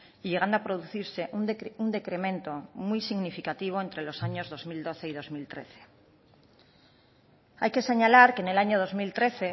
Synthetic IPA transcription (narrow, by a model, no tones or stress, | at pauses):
iʎeɣand̪oapɾoðuθiɾse̞ʔunund̪e̞kɾe̞mẽ̞nt̪o̞mujsiɣnifikat̪iβ̞oent̪ɾe̞lo̞saɲo̞zðo̞zmild̪o̞θeiðo̞zmilt̪ɾe̞̰θe̥ | a̰jke̞se̞ɲalaɾkene̞laɲoð̞o̞zmilt̪ɾe̞θe̞